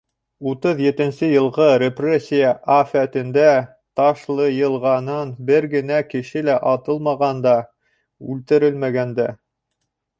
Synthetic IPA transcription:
ut̪ɤðjɘ̆t̪ɘ̆nsɘjɤ̆lˠʁɤɾʲeprʲesʲːijəʔafæt̪ɘ̆nd̪æ | t̪ɑʃlˠɤjɤ̆lˠʁɑnɤnbɘɾɡɘ̆nækɘ̆ʃɘlæʔɑt̪ɤlˠmɑʁɑnd̪ɑ | ʉlt̪ɘ̆ɾɘlmæɡænd̪æ

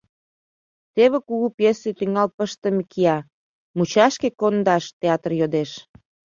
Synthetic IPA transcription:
t̪eβekuɣupjeset̪yŋɑlpəʃt̪əmekʰiɑ | mut͡ɕɑʃkekond̪ɑʃt̪eɑt̪ərjod̪eʃ

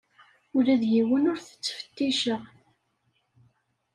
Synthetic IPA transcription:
ʊɾæðjiwənʊɾθə̥t͡sːfə̥t̪ːiʃəʁ

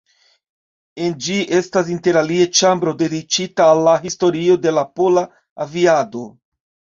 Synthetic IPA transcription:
e̞nd͡ʒiʔe̞stas̬inte̞ɾaliet͡ʃambɾo̞de̞dit͡ʃitaːlːaɦisto̞ɾio̞de̞lapo̞la | aviado̞

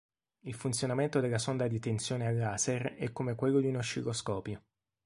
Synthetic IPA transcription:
ilfunt̪sjonament̪od̪elːasond̪ad̪it̪ent̪sjoːnealːaserɛkːomekwelːod̪iunoʃikɾoskɔːpjo

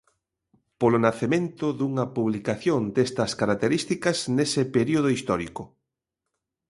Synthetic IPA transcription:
polonaθemẽnt̪ʊðuŋɐpuβlikaθjond̪est̪ɐskaɾak̚t̪eɾist̪ikɐznesepeɾioð̞oist̪ɔɾiko

